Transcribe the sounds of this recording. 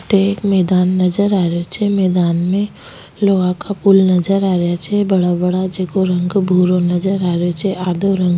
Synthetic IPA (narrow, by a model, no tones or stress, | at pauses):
ʈekmɛːd̪aːnːɐd͡ʒəɾaːɾot͡ʃʰɛmɛːd̪aːnmẽ | loːʋakapulnɐd͡ʒəɾaːɾejat͡ʃʰɛbəɽabəɽad͡ʒekoɾɐ̃ŋɡbʱuːɾonɐd͡ʒəɾaːɾjot͡ʃʰɛaːd̪oɾə̃ŋɡ